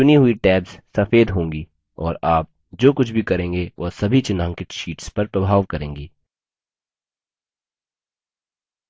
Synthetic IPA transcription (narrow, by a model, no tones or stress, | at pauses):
t͡ʃʊniɦʊiʈɛːbz̥sɐfeːd̪ɦõːŋɡiː | ɔːɾaːp̚ | d͡ʒoːkʊt͡ʃʰbʱikɐɾẽːŋɡeʋʔosɐbʱit͡ʃɪnãːŋkɪʈʃiːʈspɐɾpɾɐbʱaːʋkɐɾẽːŋɡiː